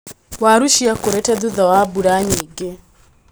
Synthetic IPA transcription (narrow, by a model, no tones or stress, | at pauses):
waɾuʃiakoɾɛtɛðuðɔwabuɾaɲiɡe